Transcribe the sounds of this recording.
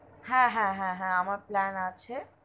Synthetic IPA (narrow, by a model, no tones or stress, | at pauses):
ɦɛ̃ɦɛ̃ɦɛ̃ɦɛ̃amaɾplænat͡ɕʰe